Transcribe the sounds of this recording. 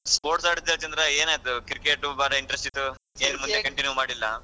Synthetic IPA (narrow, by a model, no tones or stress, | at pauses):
spoːɾʈsaːɽid̪ɐlt͡ʃɐnd̪ɾɐeːnaːjt̪ukiɾkeːʈubaːɾɐiɳʈɾesʈit̪ːueːnmund̪ekɐɳʈinjumaːɽilːɐ